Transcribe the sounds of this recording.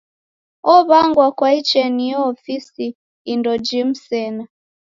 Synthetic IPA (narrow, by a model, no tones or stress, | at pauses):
ɔβaŋɡwakwait͡ʃɛnijɔːfisiː | ndɔd͡ʒim̩sɛna